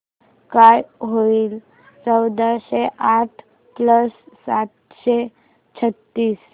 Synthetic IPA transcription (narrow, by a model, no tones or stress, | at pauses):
kajɦoiːl | t͡səwd̪aɕeʔaʈʰ | pləsːat̪ | ɕe | t͡ɕʰət̪ːiːs